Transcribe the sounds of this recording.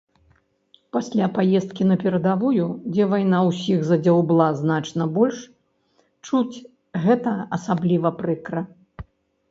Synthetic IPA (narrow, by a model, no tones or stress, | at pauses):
pasʲlʲapajɛst̪̚kʲinɐpʲɛɾɐd̪avujud͡zʲɛvajnawsʲiɣzɐd͡zʲawblˠaznat͡ʂnɐbɔlʲʂ | t͡ʂut͡sʲ | ɣɛt̪ɐɐsablʲivɐpɾɨkɾɐ